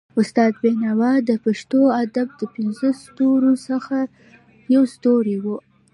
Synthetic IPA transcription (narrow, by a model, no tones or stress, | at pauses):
ʊst̪ɑd̪̚benawɑd̪əpaʃt̪oad̪ab̚d̪əpɪnzəst̪oɾosəxa | jawst̪oɾiwu